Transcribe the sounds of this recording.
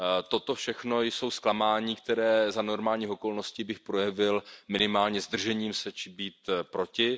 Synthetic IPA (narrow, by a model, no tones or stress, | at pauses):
t̪o̞t̪o̞fʃɛxno̞jso̞wsklamaːɲiːkt̪ɛɾɛːzano̞ɾmaːlɲiːoko̞lno̞sciːbɪxpɾo̞jɛvɪlmɪnɪmaːlɲɛzd̪r̩ʒɛɲiːmsɛt͡ʃɪbiːt̪pɾo̞cɪ